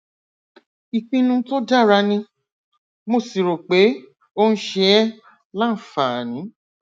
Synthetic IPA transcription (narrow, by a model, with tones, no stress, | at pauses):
i˧k͡pĩ˧nũ˧to˦da˦˨ɾa˧nĩ˧ | mo˦˨si˨ɾo˨k͡pe˨˦ | o˦n̩˦ʃe˧ɛ˦ | lã˦n̩˨fa˨nĩ˨˦